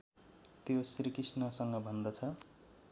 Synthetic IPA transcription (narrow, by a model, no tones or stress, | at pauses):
t̪josrikisnʌsʌŋɡʌbʱʌnd̪ʌt͡sʰʌ